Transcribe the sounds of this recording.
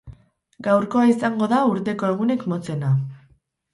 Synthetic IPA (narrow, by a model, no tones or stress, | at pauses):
ɡawɾko̞aisaŋɡo̞ðauɾt̪e̞ko̞eɣ̞une̞kmo̞t͡se̞na